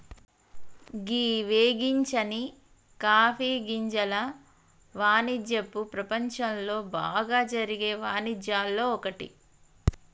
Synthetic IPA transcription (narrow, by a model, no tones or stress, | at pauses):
ɡiːʋeːɡiɲt͡ʃɐni | kaːpʰiːɡiɲd͡ʒɐlɐ | ʋaːnid͡ʒjɐpːupɾɐpɐɲt͡ʃɐmlo̞ːba̰ːɡaːd͡ʒɐɾiɡe̞ːʋaːnid͡ʒjaːlːo̞ːɔkɐʈḭ